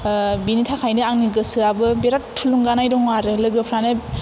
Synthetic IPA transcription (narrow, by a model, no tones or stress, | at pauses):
binitʰakʰajnɯaŋniɡɯsɯabɯbeɾattʰːuluŋɡanajdɔŋaɾɯlɯɡɯpʰɾanɯ